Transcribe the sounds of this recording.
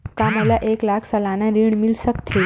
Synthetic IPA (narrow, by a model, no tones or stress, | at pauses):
kaməlaʔeklakʰsəlanaɾiɳmilsəkt̪ʰi